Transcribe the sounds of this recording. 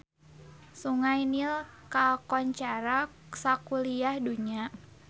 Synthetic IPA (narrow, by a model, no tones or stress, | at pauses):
suŋajnilkakɔɲt͡ʃaɾa | sakuliahduɲa